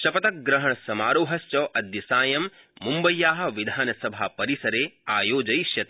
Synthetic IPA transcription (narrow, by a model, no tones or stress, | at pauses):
ʃɐpɐt̪ɐk̚ɡɾɐɦɐɳɐsɐmaːɾoːɦɐst͡ʃɐːʔɐd̪jɐsaːjɐmː | umbɐjːaːɦɐ̆ʋid̪ʱaːnɐsɐbʱaːpɐɾisɐɾeːaːjoːd͡ʒɐjʃjɐt̪